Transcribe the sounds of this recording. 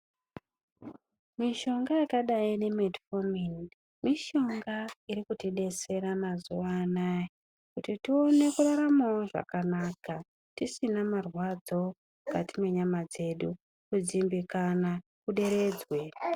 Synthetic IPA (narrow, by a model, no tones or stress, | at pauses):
miʃo̞ŋɡajakaɗaine̞medfomin | miʃo̞ŋɡaiɾikutiɗe̞se̞ɾamazuʋaːnaje | kutitio̞ne̞kuraɾamawoʐa̰kanaka | tisinamarwad͡zo̞ | mukatimwe̞ɲamad͡ze̞ɗu | kud͡zimbikana | kuɗe̞ɾe̞ːd͡zwe